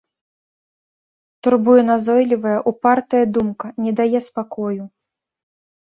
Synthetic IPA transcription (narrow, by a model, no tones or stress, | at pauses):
t̪urbujɛnazɔjlʲivɐjɐʔupart̪ɐjɐd̪umkɐnʲɛd̪ajɛspakɔju